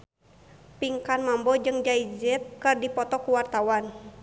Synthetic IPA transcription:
piŋkanmambɔd͡ʒɨŋd͡ʒaid͡ʒɛt̪̚kɨrdipɔt̪ɔkuwart̪awan

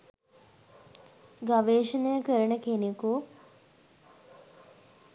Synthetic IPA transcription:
ɡaʋeːʃənəjəkəɾəɳəkeneku

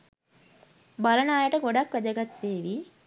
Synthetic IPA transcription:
balənaːjəʈəɡoɖakʋæd̪əɡat̪ʋeːʋi

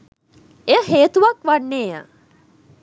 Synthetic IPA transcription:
eəɦeːt̪uʋɐkʋanːeːja̰

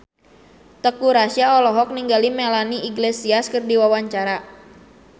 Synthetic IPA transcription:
t̪əkuɾasiaɔlɔɦɔk̚niŋɡalimɛlaniiɡlesiaskɨrdiwawaɲt͡ʃaɾa

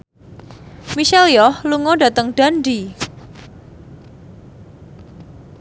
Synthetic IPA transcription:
miʃɛljɔhluŋɔdat̪əŋɖ̥a̤ndi

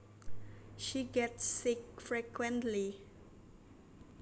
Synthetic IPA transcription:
ʃiɡɛtsːɪk̚fɹɛkwɛ̃ntli

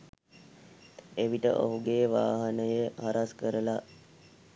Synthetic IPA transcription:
eʋiʈə̰ʔo̰ɦuɡeːʋa̰ːɦanəjəhaɾʔaskəɾəla

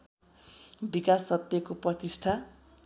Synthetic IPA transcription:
bikasːʌt̪jʌkoprʌt̪isʈʰa

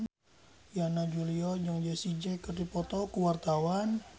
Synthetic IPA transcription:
janad͡ʒuliɔd͡ʒaŋd͡ʒasid͡ʒɛkərdipɔt̪ɔkuwart̪awan

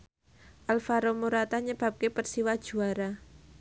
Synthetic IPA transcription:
ʔalfaɾomuɾat̪aɲəb̥a̤p̚kepərsiwad̥ʒ̥ṳaɾa

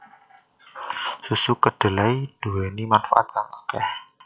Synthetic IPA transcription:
susukəɖ̪̥ə̤laid̪̥uwɛnimanfa̰a̰t̪̚saŋakɛh

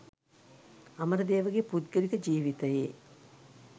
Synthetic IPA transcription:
ɐməɾəd̪eːʋəɡepud̪ɡəɾikəd͡ʒiːʋit̪əje

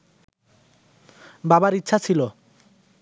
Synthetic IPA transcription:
babaɾitːɕʰat͡ɕʰilo

